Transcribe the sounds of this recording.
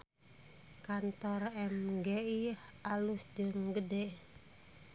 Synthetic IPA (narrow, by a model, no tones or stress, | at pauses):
kant̪ɔrɛmɡeialusd͡ʒɨŋɡədɛʔ